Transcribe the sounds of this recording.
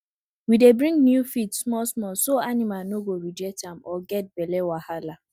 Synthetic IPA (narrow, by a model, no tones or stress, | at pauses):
widebɾĩŋnjufitsmɔsmɔsoanɪmanoɡoɾid͡ʒɛtamɔɡɛt̚belewahala